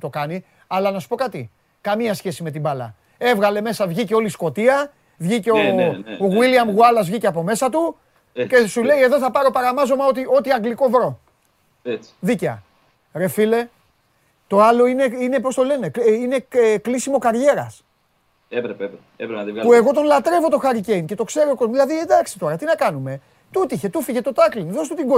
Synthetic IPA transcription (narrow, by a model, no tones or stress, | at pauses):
t̪o̞kɐni | ɐlɐnɐsu̥po̞kɐt̪i | kɐmiɐsçe̞sime̞t̪ibɐlɐ̰ | e̞vɣɐle̞me̞sɐvʝiceo̞lisko̞t̪iɐ | vʝiceooɣwiliɐmɣuɐlɐzvʝiceɐpo̞me̞sɐt̪u | cesule̞ie̞ðo̞θɐpɐɾo̞pɐɾɐmɐzo̞mɐo̞t̪io̞t̪iɐŋɡliko̞vɾo̞ | et͡si̥ðiceɐ̰ | ɾe̞file̞ | t̪o̞ɐlo̞ine̞ine̞p̬o̞st̪o̞le̞ne̞kine̞eklisimo̞kɐɾʝe̞ɾɐs | epɾpe | epɾt̪ivɣpue̞ɣo̞t̪o̞nlɐt̪ɾe̞vo̞t̪o̞xɐɾice̞jnce̞t̪o̞kse̞ɾokozmðilɐðied̪ɐksi̥t̪o̞ɾɐt̪inɐkɐnume̞ | t̪ut̪içe̞t̪ufiʝe̞t̪o̞t̪ɐklinðo̞st̪ut̪iŋɡo